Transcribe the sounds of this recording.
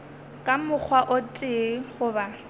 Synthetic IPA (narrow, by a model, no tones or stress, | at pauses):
kʼamʊk͡xʰwaʔʊtʼɪχʊba